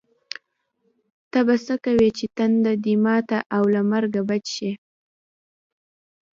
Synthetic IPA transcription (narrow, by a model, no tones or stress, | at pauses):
t̪abasəkawet͡ʃet̪and̪ad̪imɑt̪aʔawlamaɾɡabad͡ʒʃe